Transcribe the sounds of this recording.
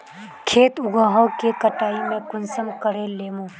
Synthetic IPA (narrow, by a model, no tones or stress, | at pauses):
kʰeːt̪ʊɡaːɦõkekəʈaːimẽkʊnsəmkəɾeleːmõː